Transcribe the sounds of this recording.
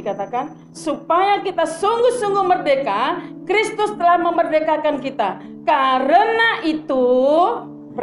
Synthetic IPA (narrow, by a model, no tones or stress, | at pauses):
ikat̪akan | supajakit̪asuŋɡʊhsuŋɡʊmərdekakɾist̪ʊst̪əlahməmərdekakankit̪a | kaɾənaʔit̪u | b